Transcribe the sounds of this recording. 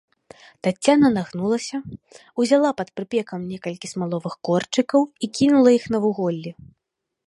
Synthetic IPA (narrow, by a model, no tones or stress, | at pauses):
t̪at͡sʲːanɐnaɣnulˠɐsʲɐ | uzʲalˠapɐt̪pɾɨpʲɛkɐmnʲɛkɐlʲkʲismalˠɔvɨxkɔrt͡ʂɨkɐwikʲinulˠɐixn̪ɐvuɣɔlʲːi